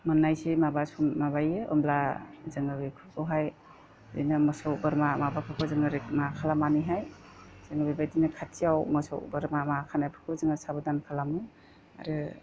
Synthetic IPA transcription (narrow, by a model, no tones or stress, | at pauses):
mɯnːajsimabasumːabajɯʔɯ̰mlazɯŋɯbikʰɯkʰɯɦaj | dḭnɯmɔsɔwbɯɾmamabakʰɯkʰɔzɯŋɯɾekmakʰalamaniɦaj | z̥ɯŋɯbibajdinɯkʰatʰijawmɔsɔ̰wbɯɾmamakʰanajpʰɯ̥kʰɔzɯŋasabɯdankʰalamɯ | a̰ɾɯ